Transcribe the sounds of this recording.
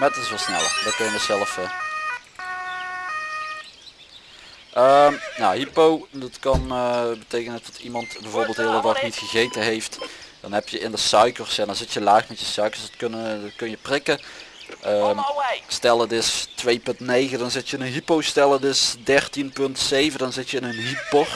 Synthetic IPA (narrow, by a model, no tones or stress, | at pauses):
madttɪsʋɑlˠsnɛ̰lˠə̰rdɑt̚kɑnjəməsɛləfə | ʔəmna̰ɦipowdɑtkɑnbətejkənətɑtʰimɑntbɛjvoːɹbeːlˠtɦɪːlˠdədɑxnitxəɣejtəɦejftd̥ɑnɦɛpjəɪndəsœɥkərsɛndɑnzɪtjəlaːχmɛtjəsœɥkəɹsdɑtknkɵnjəprɪkəʔəmstɛlˠədɪstʋejpɵntnejɣədɑnzɪtjəɪnənɦipowstɛlˠədɵsdɛrtinpɵntsejvədɑnzɪtjəɪnənɦipor